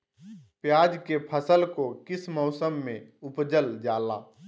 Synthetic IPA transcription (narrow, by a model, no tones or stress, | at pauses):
pjaːd͡ʒkepʰəsəlkokɪsmɔʊsəmːẽʊpd͡ʒəld͡ʒaːla̰ː